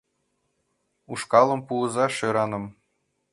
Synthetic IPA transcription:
uʂkɑlˠɤ̆mpuɤ̆zɑʃɤ̆ɾɑnɤ̆m

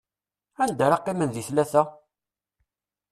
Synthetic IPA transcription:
ænd̪aɾɑqːimənðiθlæθæ

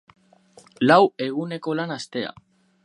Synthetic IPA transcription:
lawe̞ɣ̞une̞ko̞lanast̪e̞a̰

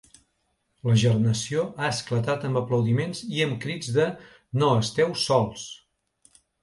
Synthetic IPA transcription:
ləʒərnəsioʔaəsklət̪at̪əmbəpləwðimenziəmkɾid͡zðə | noəst̪ɛwsɔlˠs

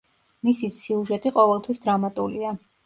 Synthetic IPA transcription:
misisiuʒɛt̪ʼiqʼɔvɛlˠt̪ʰwisd̪ɾamat̪ʼulia

